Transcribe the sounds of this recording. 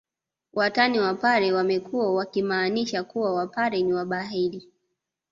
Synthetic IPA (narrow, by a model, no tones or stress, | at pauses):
wʔataniwapaɾɛwamɛkuwawakimaːniʃakuwawapaɾɛniwaɓaɦili